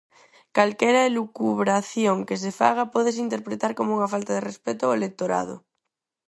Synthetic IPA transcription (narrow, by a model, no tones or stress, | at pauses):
kalkeɾaelukuβɾaθjoŋkes̬efa̰ɣ̞apoð̞es̬int̪eɾpɾet̪aɾkomouŋafalt̪aðerespet̪oaelek̚t̪oɾa̰ðo̰